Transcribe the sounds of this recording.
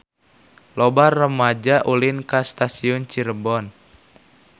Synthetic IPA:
lɔbarːəmad͡ʒaʔulinkast̪asiɔnt͡ʃiɾəbɔn

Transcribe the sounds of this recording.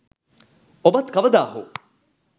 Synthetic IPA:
obɐt̪kɐʋəd̪aːɦo̰

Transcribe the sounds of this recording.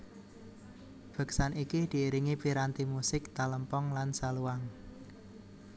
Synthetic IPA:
b̥ə̤ksanikid̪̥i̤iɾiŋipiɾant̪imusɪk̚t̪aləmpɔŋlansaluwaŋ

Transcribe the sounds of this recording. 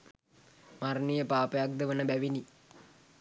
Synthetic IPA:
marnijəpaːpəjak̚d̪əʋənəbæʋini

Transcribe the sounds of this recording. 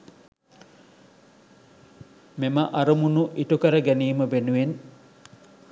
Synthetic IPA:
meməʔɐɾɐmunuʔiʈukəɾəɡæniːməʋenuʋen

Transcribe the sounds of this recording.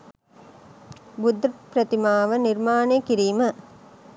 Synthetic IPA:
bʊd̪ɾpɾɐt̪imaːʋɐnɪɾmaːnekɪɾiːmɐ

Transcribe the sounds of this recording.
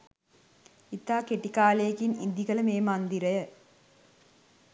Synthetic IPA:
it̪ːaːkeʈːikaːleːkinind̪iɣɐlɐmeːmaːnd̪iɾɐjɐ

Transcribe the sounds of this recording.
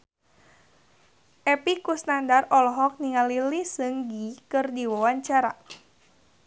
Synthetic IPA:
ʔɛpikusnandarɔlɔɦɔk̚niŋalilisɨŋɡikɨrdiwawaɲt͡ʃaɾa̰

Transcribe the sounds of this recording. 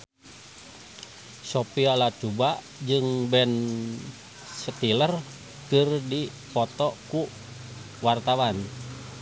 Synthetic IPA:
sopialat͡ʃubaʔ | d͡ʒɨŋbɛn | sət̪ilər | kɨrdi | pɔt̪ɔku | wart̪awan

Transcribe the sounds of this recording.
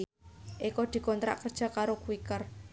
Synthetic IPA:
ʔikɔd̪̥i̤kɔnt̪ɾa̰ʔkərd̥ʒ̥a̤kaɾokuwikər

